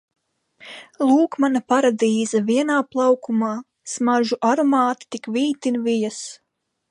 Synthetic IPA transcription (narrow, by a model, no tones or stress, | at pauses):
lˠuːkmanapaɾad̪iːzaviɛnaːplˠawkumaː | smaʒuʔaɾomaːt̪i̥t̪ikviːt̪invijas